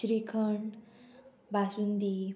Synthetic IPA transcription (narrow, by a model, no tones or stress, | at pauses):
ɕɾikʰəɳ | bʱasund̪i